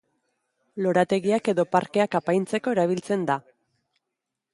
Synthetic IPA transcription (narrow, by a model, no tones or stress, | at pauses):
lo̞ɾat̪e̞ɣiake̞ðo̞paɾke̞akapajnt͡se̞ko̞e̞ɾaβ̞ilt͡se̞nd̪a